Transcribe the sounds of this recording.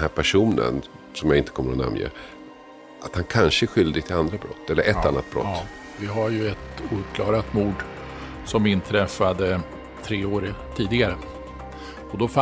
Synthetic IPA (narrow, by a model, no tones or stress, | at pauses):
hæːɾpʰæʂuːnə̰n | sɔmjaɪnt̪əkʰɔmːəɾɔna̰mjḛː | ʔat̪hankʰanʂəæɾɧʏld̪ɪɡt̪ʰɪland̪ɾabɾɔt̪ʰːɛlːəɾʔɛt̪ːanːa̰t̪̚bɾɔ̰tː | vɪɦaɾjɵɛt̪uːɾkʰlɑːɡɾat̪muːɖ | sɔmɪnt̪ʰɾɛfad̪ə | t̪ʰɾeːoːɾət̪ʰiːd̪ɪɡaɾə | ɔd̪ɔfa